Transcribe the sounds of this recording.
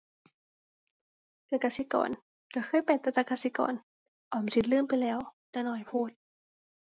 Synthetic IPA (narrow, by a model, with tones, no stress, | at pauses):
k̪a˧˩kaː˧si˧˦kɔ̰ː˨˦n | ka˧˩xʰɤː˧˥˨jpa˨˩t̪a˧t̪aː˧kaː˧si˧˦kɔ̰ː˨˦n | ʔɔː˨˩˦msi˧t̪̚lɯː˥˩˨mpa˨jlɛː˨˦˥wt̪aː˧˩nɔː˧˩jpʰoː˧˩t̪̚